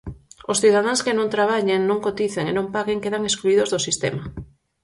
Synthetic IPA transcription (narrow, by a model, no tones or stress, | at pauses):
osθið̞að̞aŋskenõnt̪ɾaβ̞aʎeŋnõŋkot̪iθeŋenõmpaɣeŋkeðaŋeskluið̞ozðosist̪ḛma